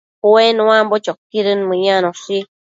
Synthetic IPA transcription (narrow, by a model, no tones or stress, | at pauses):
owenuwambɔt͡ʃɔkːiɾɨnmɨɲanɔsi